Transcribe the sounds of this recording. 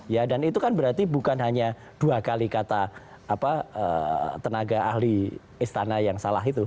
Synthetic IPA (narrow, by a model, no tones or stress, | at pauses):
jadanit̪ukanbəɾart̪ibukanɦaɲa | d̥uakalikat̪aː | paə̰t̪ənaɡaʔahli | ist̪anajaŋsalaɦit̪u